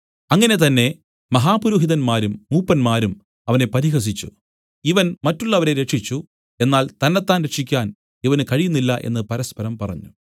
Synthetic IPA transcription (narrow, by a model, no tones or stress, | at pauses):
ɐŋːɐne̞t̪ɐnːe̞ | mɐɦaːpuɾuːɦiðɐnmaːɾumːuːpːɐnmaːɾum | ɐʋɐne̞pɐɾiɦɐs̬it͡ɕːṵ | iʋɐnmɐtːuɭːɐʋɐɾe̞ɾe̞ʂit͡ɕːu | e̞nːaːlt̪ɐnːɐt̪ːaːnɾe̞ʈʂikʲːaːn | iʋɐnɨkɐɻijunːilːɐʔe̞̰nːɨpɐɾɐspɐɾɐmpɐrɐ̰ɲːu